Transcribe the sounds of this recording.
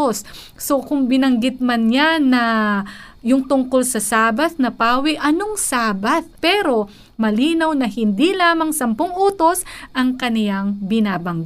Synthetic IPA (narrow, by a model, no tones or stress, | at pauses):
osː | o̞kʊŋbɪnɐŋɡɪt̪̚mɐnɲanɐ | jʊŋt̪ʊŋko̞lsɐsaːbɐθnɐpaːwɪʔɐnoŋsaːbɐθpɛːɾo̞ | mɐliːnɐwnɐɦɪnd̪ilaːmɐŋsɐmpoŋʔuːt̪o̞sʔɐŋkɐnɪlaŋbɪnaːbɐŋɡ